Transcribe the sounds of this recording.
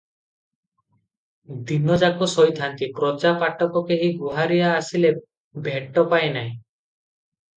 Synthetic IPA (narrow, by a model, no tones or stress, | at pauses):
d̪inɔd͡ʒakɔsɔjt̪ʰant̪ipɾɔd͡ʒapaʈɔkɔkeɦiɡuɦaɾijaːsile | bʱeʈɔpaenaɦĩ